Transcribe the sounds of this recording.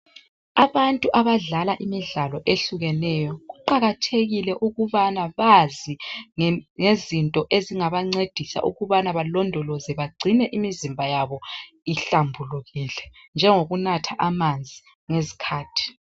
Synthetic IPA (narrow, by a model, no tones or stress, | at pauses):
aβantʼuʔaβaɮalaʔimiɮalɔʔeɬuɣɛnɛjɔɣuǃaɣatʰeɣilɛʔuɣuβanaβazi | ŋezintʼɔʔeziŋaβaŋ͡ǀed̥ʱisa̰ʔṵɣuβanaβalɔndʱɔlɔzɛβaɡ͡ǀʱinɛʔimizimbʱajaβɔ | iɬambʱuluɣiːlɛnd͡ʒʱɛŋoɣunatʰaʔamand͡zʱi | ŋezi̥kʰaːtʰi̥